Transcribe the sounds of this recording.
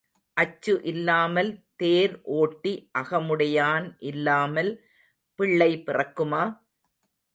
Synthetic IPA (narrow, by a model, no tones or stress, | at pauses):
ʔɐt͡ʃːɯʔɪlːaːmɐlt̪eːɾʔoːʈːiʔɐɣɐmɯɽɐjaːnʔɪlːaːmɐl | pɪɭːɐɪpɪrɐkːɯmaː